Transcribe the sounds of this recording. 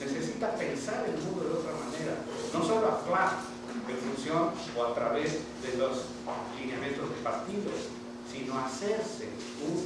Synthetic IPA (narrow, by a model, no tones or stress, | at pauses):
nesesit̪apensaɾelmund̪oðeot̪ɾamaneɾa̰ | nõsoloaplas | d̪efunsjon | oat̪ɾaβez | ðelos | linemẽnt̪ozðepaɾt̪iβlesː | inoaseɾsḛ | un